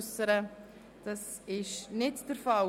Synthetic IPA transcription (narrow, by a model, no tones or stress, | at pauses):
səɾə | d̥ɑs | ɪʃnɪtd̥əɾfɑ